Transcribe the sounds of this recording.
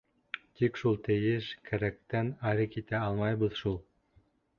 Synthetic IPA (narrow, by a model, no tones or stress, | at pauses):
t̪ikʃulˠt̪ɘ̆jɘʃkʰæɾæk̚t̪ænæɾɘkit̪æɑlˠmɑjbɤðʃulˠ